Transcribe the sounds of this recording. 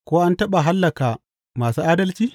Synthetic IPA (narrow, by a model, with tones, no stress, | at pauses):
kʷoː˦ʔa˦ntɐ˦ɓa˨ɦa˦lːɐ˨kaː˨ | maː˨suː˦ʔaː˦dɐ˦lt͡ʃiː˦